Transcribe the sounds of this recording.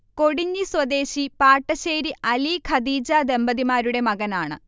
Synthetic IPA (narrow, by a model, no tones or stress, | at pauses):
ko̞ɽiɲːiswɐd̪e̞ːɕipaːʈːɐɕeːjɾiɐlikʰɐd̪iːd͡ʑaːd̪e̞mbɐðimaːɾuɽe̞mɐɣɐnaːɳɨ̰